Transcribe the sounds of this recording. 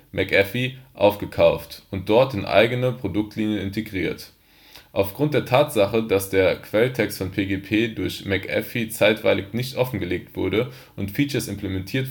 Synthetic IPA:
mʔɛkʔɛfiʔa̰ʊfɡ̥əkʰaʊftʊnt̚d̥ɔɐtɪnʔa̰ɪɡənəpʁ̥odʊk̚tʰliːnjənɪntʰeɡʁiːɐt | ʔaʊfɡ̥ʁʊnt̚d̥eːɐtʰaːtz̥aχədasd̥eːɐkv̥ɛltʰɛkstfɔnpʰeːɡeːpʰeːdʊɐçmɛkʔɛ̰fit͡saɪtv̥a̰ɪlɪknɪçtʔɔfn̩ɡəleːk̚tv̥ʊɐdə | ʔʊntfiːt͡ʃɐsɪmplemɛntʰiːɐt

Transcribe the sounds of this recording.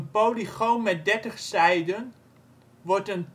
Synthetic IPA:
ənpowliχommɛt̚dɛɹtəχsɛjdən | ʋɔɹtən

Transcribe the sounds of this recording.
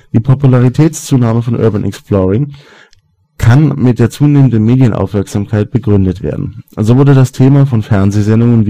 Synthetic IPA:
d̥iːpʰɔpulaʁitʰɛːt͡st͡suːnaːməfɔnʔœ̰ɐbənʔɛ̰ksplɔʁɪŋ | kʰanmɪt̚d̥eːɐt͡suːneːməndənmeːdjənʔa̰ʊfmɛɐkz̥aːmkʰaɪt̚b̥əɡʁʏndətv̥ḛːɐdn̩zoːvʊɐdədastʰeːmafɔnfɛɐnzezɛndʊŋənv

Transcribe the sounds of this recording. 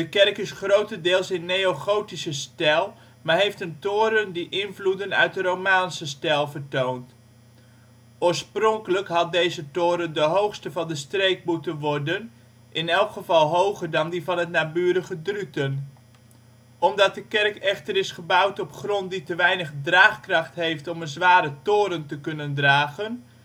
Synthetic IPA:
dəkɛrkɪsχrowtədɪːlˠsɪnːejoχowtisəstɛlˠ | maːɹɦejftəntʊːɾəndiʔɪnvludənœ̰ɥt̚dərowmaːnsəstɛlˠvərtownt | ʊːɹsprɔŋkələkɦɑt̚dejzətʊːɾəndəɦowχstəvɑndəstrejk̚mutənʋɔɹdən | ʔɪnɛlˠkχəvɑlˠɦowχərdɑndivɑnɦətnaːbyːɾəɣədrytən | ɔmdɑt̚dəkɛrkɛχtərɪsχəbawtɔpχrɔnt̚ditəʋɛjnəχdraːχkrɑχtɦejftɔmənzʋaːɾətoːɾəntəkɵnəndraːɣən

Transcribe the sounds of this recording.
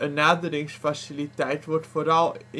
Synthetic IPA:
ənːaːdəɾɪŋsfasɪlitɛjtʋɔrtfoːɾɑlˠ

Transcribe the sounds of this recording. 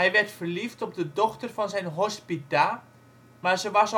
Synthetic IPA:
ɛjʋɛrtfərliftɔp̚dədɔxtərfɔnzɛjnɦɔspita | maɹzəʋɑs

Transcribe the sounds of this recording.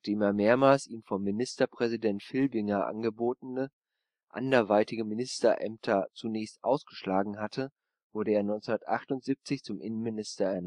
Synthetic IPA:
aχd̥eːmeːɐmeːɐmaːlsʔiːmfɔmːinɪstɐpʁ̥ɛzidɛntfɪlbɪŋɐʔa̰nɡəboːtn̩ə | ʔa̰ndɐɐvaɪtɪɡəmɪnɪstɐʔɛ̰mtʰɐt͡sunɛːçstʔa̰ʊsɡ̥əʃlaːɡŋ̩ɦatʰə | v̥ʊɐɾəeːɐnɔʏnt͡sundɐtʔaχtʊntz̥ip̚t͡sɪçt͡sʊmʔɪnən̩mɪnɪstɐɛɐn

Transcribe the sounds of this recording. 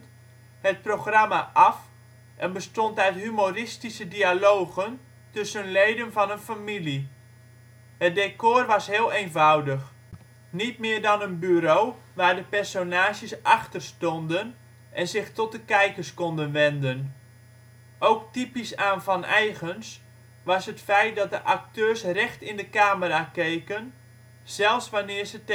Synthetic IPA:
hət̚proχramaʔɑf | ʔɛnbəstɔntœɥtɦymorɪstisədialowɣən | tɵsənlejdənvɑnənfamili | hət̚dekʊrʋɑsɦɪːəlˠejnvʌwdəχ | nit̚mɪːdɑnənbyɾow | ʋaːrdəpɛrsonaːʃjəsʔɑxtərstɔndən | ʔɛnzɪxtɔt̚dəkɛjkərskɔndənʋɛndən | ʔowktipisaːnfɑnɛjɣəns | ʋɑsɦətfɛjt̚dɑt̚dəʔak̚tøːsrɛxtɪndəkaːməraːkejkən | z̥ɛlˠfsʋanɪːrzət

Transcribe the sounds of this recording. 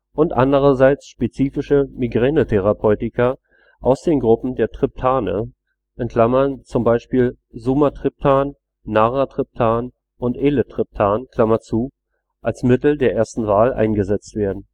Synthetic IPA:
ʔʊntʔa̰ndəʁ̞ɐzaɪt͡sʃpet͡siːfɪʃəmiɡʁɛːnətʰɛʁ̞apʰɔʏtɪkɐ | ʔaʊsd̥eːnɡʁʊpm̩deːɐtʁ̥ɪp̚tʰaːnə̰ | ʔɛntkʰl̥amɐnt͡sʊmbaɪʃpiːl | zumatʁ̥ɪp̚tʰaːnː | aʁatʁ̥ɪp̚tʰaːn | ʔʊntʔeːlətʁ̥ɪp̚tʰaːnkʰl̥amɐt͡suː | ʔalsmɪtl̩deːɐʔeːɐstn̩vaːlʔa̰ɪnɡəzɛt͡stv̥eːɐdn̩

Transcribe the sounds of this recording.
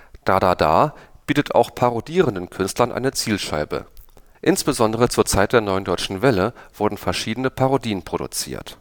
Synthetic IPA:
d̥adaːda̰ːb̥iːtətʰa̰ʊxpʰaʁodiːʁəndənkʰʏnstlɐnʔa̰ɪnət͡siːlʃa̰ɪbə̰ | ʔɪnsb̥əzɔndəʁ̞ət͡suːɐt͡saɪt̚d̥eːɐnɔʏəndɔʏt͡ʃn̩vɛləv̥ʊɐdn̩fɛɐʃiːdənəpʰaʁodiːənpʁ̥odṵt͡sḭːɐt

